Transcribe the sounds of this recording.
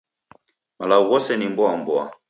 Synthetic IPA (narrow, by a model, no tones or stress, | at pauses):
malauɣɔsɛnimbɔambwa̰